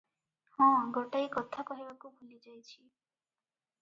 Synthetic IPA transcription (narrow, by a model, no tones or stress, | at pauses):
hɔ̃ɡɔʈaikɔt̪ʰakɔɦibakubʱulid͡ʒajt͡ʃʰi